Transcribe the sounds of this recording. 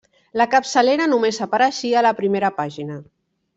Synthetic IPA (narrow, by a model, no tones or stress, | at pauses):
ləkəpsəleɾənumezapəɾəʃialəpɾimeɾəpaʒinə